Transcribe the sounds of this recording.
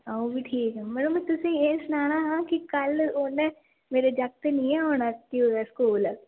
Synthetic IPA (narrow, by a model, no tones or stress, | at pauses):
aũbiʈʰiːkɛmɛːləmɛ̃t̪ʊsĩjeːsʊnaːñaɦãːkikɐloːnẽ | meːɾed͡ʒɐk̚t̪enĩeoːnak̪ioɛskuːlɛː